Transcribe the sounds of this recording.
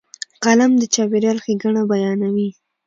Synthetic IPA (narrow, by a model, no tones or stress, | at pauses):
ɣalamd̪ət͡ʃɑbeɾjɑlxeɡaɳabajɑnawi